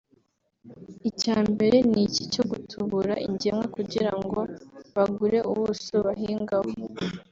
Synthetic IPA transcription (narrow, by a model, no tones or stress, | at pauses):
icaːmbe̞ɾe̞nicico̞ɡutʰuβuɾaʔḭɲɟemwekuɟiɾaŋɡo̞βaɡuɾe̞ʔuβusoβaɦiːŋɡaho